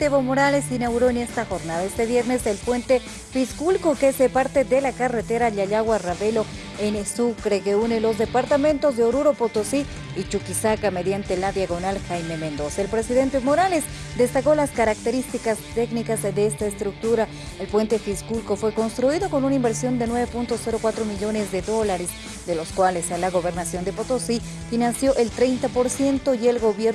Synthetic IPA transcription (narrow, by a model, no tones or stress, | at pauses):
t̪eβomo̞ɾale̞sinaɣuɾo̞ene̞st̪axo̞ɾnaðaest̪e̞βje̞ɾne̞se̞lpwe̞nt̪e̞ | fiskulkokesepaɾt̪e̞d̪e̞lakaret̪e̞ɾaʎaʎaɣwaraβe̞lo̞ | enesukɾeke̞unelo̞zd̪e̞paɾt̪amẽ̞nt̪o̞zðeoɾuɾo̞pot̪osi | it͡ʃukisakame̞ðjant̪e̞laðjaɣo̞nalxajme̞me̞nd̪o̞saelpɾe̞siðe̞nt̪emo̞ɾale̞s | d̪e̞st̪ako̞laskaɾak̚t̪e̞ɾist̪ikast̪e̞knikazd̪eest̪aest̪ɾuk̚t̪uɾa | elpwe̞nt̪e̞fiskulko̞fwe̞ko̞nst̪ɾuiðo̞ko̞nunaimbe̞ɾsjo̞nd̪e̞nwe̞βepunt̪o̞se̞ɾokwat̪ɾo̞miʎo̞nezd̪e̞ðo̞laɾes | d̪e̞lo̞skwale̞salaɣo̞βe̞ɾnasjo̞nd̪e̞pot̪o̞si | finansjo̞ʔe̞lt̪ɾejnt̪apo̞ɾsje̞nt̪o̞je̞lɣo̞βjeɾ